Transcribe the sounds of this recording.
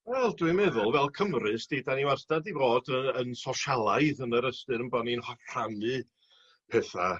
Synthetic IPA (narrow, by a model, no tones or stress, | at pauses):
wɛlˠdwimɛðʊlˠvɛlˠkʰəmrɨsd̥idaniwasd̥adivoːdəənsɔʃalˠaɨðənəɾəstɨɾənbɔninhɔkʰanɨ | pʰɛθa̰